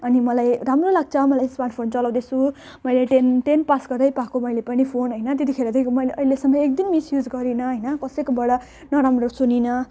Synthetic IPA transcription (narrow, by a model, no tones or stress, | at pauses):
ʌnimʌlajramrolaɡ̚t͡sʰʌmʌlajspanpʰont͡sʌlaw̃d̪ʌsʰu | mʌjleʈenʈenpasɡʌrd̪ʌjpakomʌjlepʌnipʰonɦʌjnʌt̪et̪ikʰeɾʌd̪eomʌjleʔʌjlesʌŋɡʌek̚d̪inmisjud͡zɡʌɾinʌɦʌjnʌkʌsʌjkobʌɽʌ | nʌɾamrosuninʌ